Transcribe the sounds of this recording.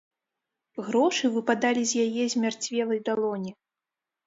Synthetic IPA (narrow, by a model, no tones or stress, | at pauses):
ɣɾɔʂɨvɨpad̪alʲizʲjajɛzʲmʲart͡sʲvʲɛlˠɐjd̪alˠɔnʲi